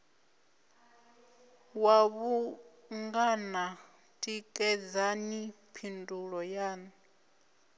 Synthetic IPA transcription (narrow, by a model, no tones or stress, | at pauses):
waβu | ŋɡana | tʼikʼɛd͡zani | pʰinduɺɔjaːni